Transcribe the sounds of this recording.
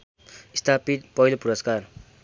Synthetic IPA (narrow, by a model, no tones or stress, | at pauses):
ist̪ʰapit̪̚pʌilopuɾʌskar